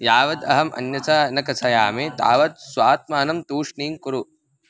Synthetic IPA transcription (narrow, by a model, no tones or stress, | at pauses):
jaːʋɐd̪ɐ̰ɦɐmʔɐ̰njɐt͡sɐnɐkɐsʰɐjaːmet̪a̰ːʋɐd̪̚sʋaːt̪̚maːnɐmt̪uːʂniːŋkuɾu